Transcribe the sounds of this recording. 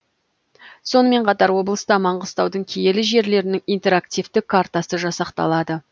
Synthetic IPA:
so̞nəme̞ɴqʰɑt̪ɑɾwo̞blˠəst̪ɑmɑɴʁəst̪ɑwd̪əɴkʲʰejelɪʒe̞ɾle̞ɾɪnɪŋijnt̪e̞ɾakt̪ʲijft̪ɪkʰːart̪asəʒɑsɑqt̪ɑ̰lˠɑd̪ə

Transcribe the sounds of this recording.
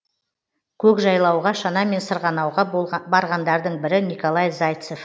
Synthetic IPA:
kʲʰɵkʒɑjlˠɑwʁɑʃɑnɑme̞nsəɾʁɑnɑwʁɑbɑɾʁɑnd̪ɑɾd̪əɴbɪɾɪnijkolˠɑjzajt̪sef

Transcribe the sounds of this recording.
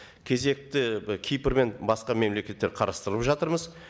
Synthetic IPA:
kʲʰe̞ze̞k̚t̪ɪkʲʰijpəɾme̞nbɑsqɑme̞mle̞kʲe̞t̪ːe̞ɾqʰɑɾɑst̪əɾəpʒɑt̪əɾməz

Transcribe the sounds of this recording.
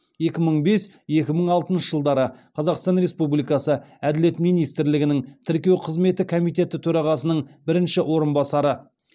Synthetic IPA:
je̞kʲɪməɴbe̞s | je̞kʲɪməɴɑlˠt̪ənʃəʒəlˠd̪ɑɾəqʰɑzɑqst̪ɑnɾe̞spublijkɑsəæd̪ɪle̞t̪mijnijst̪ɪɾlɪɡʲɪnɪŋt̪ʰɪɾkʲe̞wqʰəzme̞t̪ɪkʰo̞mijt̪ʲe̞t̪ɪt̪ʰɵɾɑʁɑsənəɴbɪɾɪnʃɪwo̞ɾənbɑsɑɾə

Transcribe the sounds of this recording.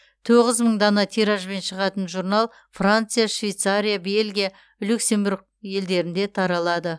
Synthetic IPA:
t̪ʰoʁəzməɴd̪ɑnɑt̪ʰiɾaʒbe̞nʃəʁɑt̪ənʒuɾnɑlˠ | frant̪sɨjaʃvʲejt̪saɾʲijabe̞lʲɡʲija | lʲuksʲe̞mbuɾɡ̚ | je̞ld̪e̞ɾɪnd̪e̞t̪ʰɑɾɑlˠɑd̪ə

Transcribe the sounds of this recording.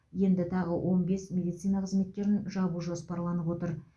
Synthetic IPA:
je̞nd̪ɪt̪ʰɑʁəwʔo̞nbe̞smʲe̞d̪ijt̪sijnɑqəzme̞t̪̚kʲe̞ɾɪnʒɑbuʒospɑɾlˠɑnəpwo̞t̪əɾ

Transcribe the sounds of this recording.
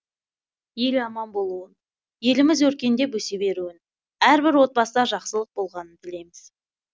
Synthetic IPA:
je̞lɑmɑnbo̞lˠuən | je̞lɪmɪzwɵɾkʲe̞nd̪e̞bɵse̞be̞ɾuɪn | æɾbɪɾwo̞t̪̚pɑsd̪ɑʒɑqsəlˠəq̚bo̞lˠʁɑnənt̪ʰɪle̞jmɪz̥

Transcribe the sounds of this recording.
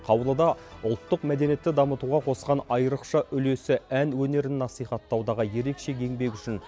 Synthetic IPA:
qʰɑwəlˠəd̪ɑʊlˠt̪ːəqmæd̪e̞nijet̪ːɪd̪ɑmət̪uʁɑqʰo̞sqɑnɑjəɾəqʃɑʔʏle̞sɪænwɵne̞ɾɪnːɑsijχɑt̪ːɑwd̪ɑʁɑje̞ɾe̞kʃe̞kʲʰe̞ŋbe̞k̬ʲʏʃɪn

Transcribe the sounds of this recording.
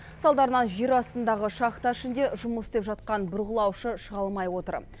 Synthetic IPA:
sɑlˠd̪ɑɾənɑnʒeɾɑst̪ənd̪ɑʁəʃɑχt̪ɑɪʃɪnd̪e̞ʒʊməsd̪epʒɑt̪̚qɑnbʊɾʁəlˠɑwʃəʃəʁɑlˠmɑjwo̞t̪əɾ

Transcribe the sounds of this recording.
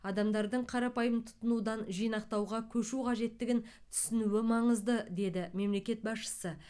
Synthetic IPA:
ɑd̪ɑmd̪ɑɾd̪əɴqʰɑɾɑpɑjəmt̪ʰʊ̥t̪ːənud̪ɑnʒijnɑq̚t̪ɑwʁɑkʲʰɵʃuqʰɑʒe̞t̪ːɪɡʲɪnt̪ʰʏ̥sɪnuwɪmɑɴəzd̪əd̪e̞d̪ɪme̞mle̞kʲe̞t̪̚bɑsʃə̥sə

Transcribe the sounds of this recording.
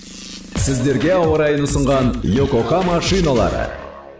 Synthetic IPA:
sɪzd̪e̞ɾɡʲe̞ɑwəɾɑjənʊsəɴʁɑnjokokɑmɑʃijnalˠɑ̰ɾə̰

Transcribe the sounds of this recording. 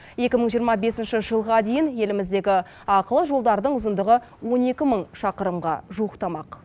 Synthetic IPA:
e̞kʲɪməɴʒijəɾmɑbe̞sɪnʃɪʒəlˠʁɑd̪e̞jɪnje̞lɪmɪzd̪e̞ɡʲɪ | ɑqəlˠəʒo̞lˠd̪ɑɾd̪əɴʊzənd̪əʁə | wo̞ne̞kʲɪməɴʃɑqəɾəmʁɑ̰ʒuəqt̪ɑmɑq

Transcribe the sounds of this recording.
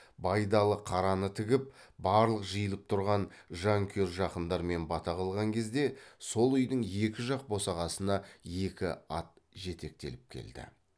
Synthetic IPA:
bɑjd̪ɑlˠəqʰɑɾɑnət̪ʰɪɡʲɪp̚bɑɾlˠəqʒəjəlˠəp̚t̪ʰʊɾʁɑnʒɑŋkʲʰeɾʒɑqənd̪ɑɾme̞nbɑt̪ɑʁɑlˠʁɑŋkʲʰe̞zd̪e̞so̞lˠʏjd̪ɪŋje̞kʲɪʒɑq̚bo̞sɑʁɑsənɑje̞kʲɪ̰ɑt̪̚ʒe̞t̪e̞k̚t̪e̞̰lɪp̚kʲʰe̞̰ld̪ɪ̰

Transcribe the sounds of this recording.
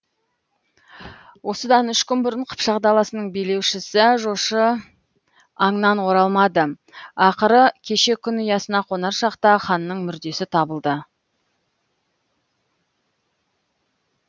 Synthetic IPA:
wʔo̞səd̪ɑnʏʃkʲʏnbʊɾəɴqʰə̥pʃɑqd̪ɑlˠɑsənəɴbejle̞wʃɪsɪʒoʃə | ɑɴnɑnwo̞ɾɑlˠmɑd̪ə | ɑqəɾəkʲʰe̞ʃe̞kʲʰʏnʏjɑsənɑqʰo̞nɑɾʃɑqt̪ɑχɑnːəɴmʏɾd̪e̞sɪt̪ʰɑbəlˠd̪ə

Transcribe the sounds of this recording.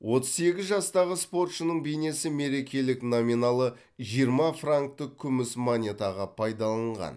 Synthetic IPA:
wʔo̞t̪ə̥zse̞ɡʲɪzʒɑst̪ɑʁəspo̞rt̪ʃənəɴbe̞jne̞sɪme̞ɾe̞kʲe̞lɪknominalˠə | ʒijəɾmɑfraŋk̚t̪əkʲʰʏmɪsmonʲe̞t̪ɑʁɑpʰɑjd̪ɑlˠɑɴʁɑ̰n

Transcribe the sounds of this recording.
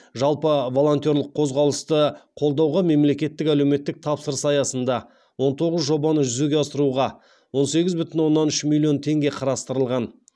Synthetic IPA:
ʒɑlˠpəvo̞lˠo̞nt̪jo̞ɾlˠəqʰːozʁɑwlˠəst̪əqʰolˠd̪ɑwʁɑme̞mle̞kʲe̞t̪ːɪkæle̞wme̞t̪ːɪk̚t̪ʰɑpsəɾəsɑjɑsənd̪ɑ | wo̞nt̪ʰo̞ʁəzʒo̞bɑnəʒʏzeɡʲeɑsəɾuʁɑ | wo̞nse̞ɡʲɪzbʏt̪ɪnwo̞nːɑnʏʃmilʲːio̞nt̪ʰe̞ŋɡʲe̞qʰɑɾɑst̪əɾəlˠʁɑn

